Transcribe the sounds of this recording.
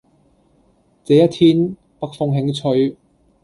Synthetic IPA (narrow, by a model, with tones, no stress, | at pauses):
t͡seː˨˧jɐ˥t̪ʰiː˥n | pɐ˥k̚fʊ˧ŋɦɪ˨˧˥ŋt͡sʰɵ˧ɥ